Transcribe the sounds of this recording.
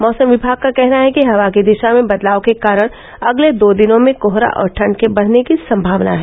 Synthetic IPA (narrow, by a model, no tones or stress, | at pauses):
mɔːsə̃mʋɪbʱaːɡ̚kakɛɦnaɦɛkiɦɐʋakid̪ɪʃamẽbɐd̪laːokekaːɾəɽ̃ | ɐɡled̪oːd̪ɪnõmẽkoɦɾa̰ʔɔ̰ːɾʈʰɐ̃ɳɖkebɐɽ̤nekisɐ̃mbʱaːʋna̰ɦɛː